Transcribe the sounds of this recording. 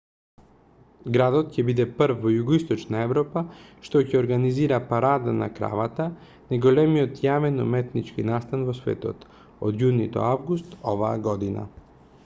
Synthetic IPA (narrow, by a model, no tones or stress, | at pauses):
ɡɾad̪ɔt̪cɛbid̪ɛpɾvːɔjuɡoist̪ɔt͡ʃnaɛvɾɔpaʃt̪ɔcɛoɾɡaniziɾapaɾad̪ana̰kɾa̰vat̪a | najɡolɛmiɔt̪javɛnɔmɛt̪nit͡ʃkinast̪anvɔsvɛ̰t̪ɔ̰t̪ | od̪junid̪ɔ̰avɡust̪ɔva̰ːɡɔd̪ina̰